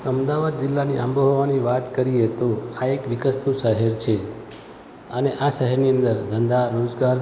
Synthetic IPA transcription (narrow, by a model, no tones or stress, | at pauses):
əmd̪aʋad̪̚d͡ʒɪlːaniʔamboɦoʋaniʋat̪kəɾiet̪oaekʋɪkəst̪uʃəɦɛɾt͡ʃʰe | əneʔaʃəɦɛɾniə̃nd̪əɾd̪ʱənd̪aɾod͡ʒɡaɾ